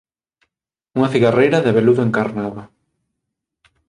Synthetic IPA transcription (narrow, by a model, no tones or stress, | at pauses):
uŋɐθiɣarejɾaðeβeluðoeŋkaɾnaðɐ